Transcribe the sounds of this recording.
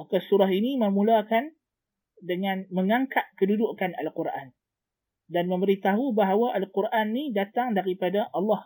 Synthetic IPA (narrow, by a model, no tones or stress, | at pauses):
akasuɾaɦiniməmũlakan | dəŋãnməŋaŋkat̪̚kədudʊʔkana̰lquɾʔa̰n | danmə̃məɾit̪aɦubaɦawaʔalqurʔanːidat̪aŋdaɾipadaʔɑlːɑh